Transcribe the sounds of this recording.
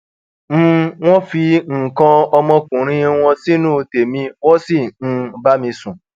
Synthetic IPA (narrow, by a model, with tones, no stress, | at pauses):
m̩˦w̃ɔ̃˦fi˧ŋ̩˨kã˧ɔ˧mɔ̃˧kũ˨ɾ̃ĩ˧w̃ɔ̃˧si˦nũ˦˧te˨mĩ˧wɔ˦sĩ˦˨˧ba˦mĩ˧sũ˨